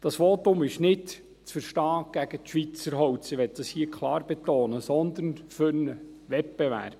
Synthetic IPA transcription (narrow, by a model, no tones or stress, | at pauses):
d̥ɑsʋoːt̪ʊmɪʃnɪd | t͡sfəɾʃtɑːɡ̥æɡ̥ət̪ʃʋit͡səɾɦɔwtt͡sɪʋɛt̪̚d̥ɑshiəkʰlˠɑːɾbɛt̪oːnəsɔnd̪ənfʏɾnə | ʋɛpb̥ɛʋæ̰ɾb̥